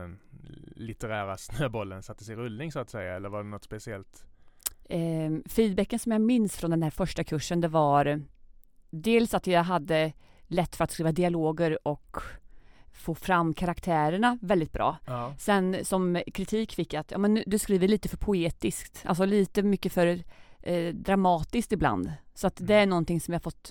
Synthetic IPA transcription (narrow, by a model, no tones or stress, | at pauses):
ɛnlɪt̪əɾæːɾasnøːbɔlːənsat̪ːəsɪɾɵlnɪŋsʊat̪sɛjːaɛlːəɾvaɖɛnɔt̪spɛsɪɛlt̪ | fiːd̪̚bɛkːənsɔmjamɪnsfɾɔnd̪ɛnhæːɾfœʂʈakʰɵʂːənd̪ɛvaɾ | d̪eːlsat̪jaɦad̪ːəlɛt̪ːfœɾat̪skɾiːvad̪ɪaloːɡəɾɔk | foːfɾamːkʰaɾakt̪ʰæːɾəɳavɛld̪ɪt̪̚bɾʔɑ̰ːsɛnsɔmkʰɾɪt̪ʰiːkfɪkːjat̪jɑ̰ːmɛnd̪ɵskɾiːvəliːt̪əfœɾpʰʊeːt̪ɪskt̪a̰ls̬ɔliːt̪əmʏkːəfœɾ | d̪ɾamɑːt̪ɪsk̚t̪ɪbla̰nd̪sɔat̪d̪ɛæɳɔnt̪ɪŋsɔmjahafɔt̪ː